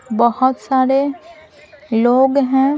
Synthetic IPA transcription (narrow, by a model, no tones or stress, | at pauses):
bəhʊt̪saːɾe | loːɡɦɛ̃ː